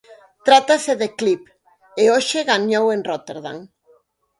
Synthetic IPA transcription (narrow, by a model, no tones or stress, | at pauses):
t̪ɾat̪aseðeklip | eoʃɪɣaɲowẽnrot̪eɾða̰ŋ